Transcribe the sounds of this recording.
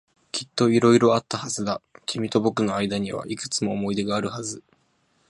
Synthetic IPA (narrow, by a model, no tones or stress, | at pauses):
kʲi̥t̪ːo̞iɾo̞iɾo̞at̪ːahazɨd̪akʲimʲit̪o̞bo̞kɯ̟no̞aid̪aɲ̟iβ̞a̰ʔikɯ̥t͡sɨmo̞ːmo̞id̪e̞ɡaːɾɯ̟hazɨ